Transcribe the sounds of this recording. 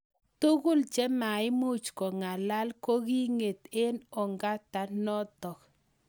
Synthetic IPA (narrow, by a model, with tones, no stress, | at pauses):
tu˦kʊ˦lt͡ʃɛ˦ma˨ɪ˦mu˦t͡ʃkɔ˨ŋa˨la˦lko˦ki˦ŋe˨t̪e˦nɔ˨ŋɡa˦ta˨nɔ˦tɔ˨k